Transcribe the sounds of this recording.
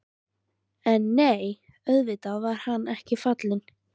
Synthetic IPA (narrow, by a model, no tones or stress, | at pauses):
ɛnːeːj | œðvɪt̪aðvaɾ̥hanːɛhcɪfat̪lɪn